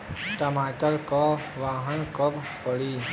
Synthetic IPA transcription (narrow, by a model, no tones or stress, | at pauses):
ʈəmaːʈəɾkaʋaːɦənkəb | pəɽi